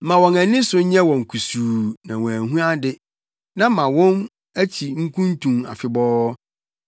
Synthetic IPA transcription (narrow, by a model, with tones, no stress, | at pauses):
mã˨wɔ̃˨næ̃˨nɪ̃˦sʊ˨˦ɲɛ̃˦wɔ̃˨ŋ˨kʰu˨suː˨nã˨wɔ̃˨æ˨ɦũ˦a˦dɪ˦ | nã˦mːã˨wɔ̃˦n | æ˦t͡ɕʰi˨ŋ̩˦kʰũ˦n˦tʰũ˨ma̰˨fɪ˨bɔː˦